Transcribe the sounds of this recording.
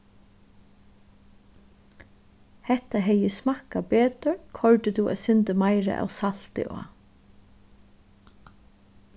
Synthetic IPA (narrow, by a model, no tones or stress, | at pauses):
hɛht̪ːaɦɛjəsmakabeːt̪əɹkʰɔɹt̪ɪt̪uæ̰ðsʏnt̪əmajɾa̰ʔa̰wsal̥t̪ɪ̰ʔo̰ː